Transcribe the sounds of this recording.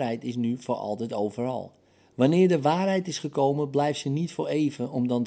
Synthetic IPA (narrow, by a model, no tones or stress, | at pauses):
rɦɛjtɪs̬nyvoɹɑ̰lˠtɛtowvərɑ̰lˠ | ʋanɪːrdəʋaːrɦɛjtɪsχəkowmənblɛjftsənitfoɹejvəɔmdɔn